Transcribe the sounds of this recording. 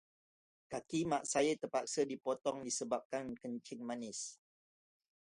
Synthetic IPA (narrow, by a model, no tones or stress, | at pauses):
kakimaʔsajət̪əpak̚sədipɔt̪ɔŋdisəbap̚kankəɲt͡ʃɪŋmanɪs